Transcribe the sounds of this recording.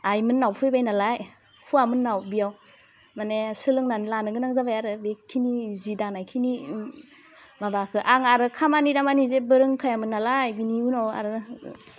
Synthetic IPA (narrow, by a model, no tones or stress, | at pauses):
ajmɯnːawpʰɯjbajnalaj | hʰuamɯnːawbijaw | manesɯlɯŋnanlanɯɡɯnaŋzabajaɾɯbekʰinizidanajkʰini | mabakʰɯʔaŋaɾɯkʰamanidamanizebɯɾɯŋkʰajamɯnːalajbiniunawa̰ɾɯ